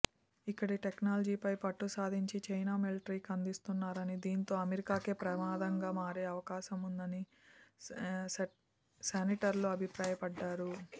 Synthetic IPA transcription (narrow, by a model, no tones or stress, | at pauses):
ikːɐɽiʈeknaːlɐd͡ʒiːpɐjpɐʈːusaːd̪ʱiɲt͡ʃit͡ʃɐjnaːmelʈɾiːkɐnd̪ist̪unːaːɾɐnid̪iːnt̪o̞ːɐmeɾikaːkeːpɾɐmaːd̪ɐŋɡaːmaːɾeːɐʋɐkaːʃɐmund̪ɐni | seniʈɐɾluɐbʱipɾaːjɐpɐɖːaːɾu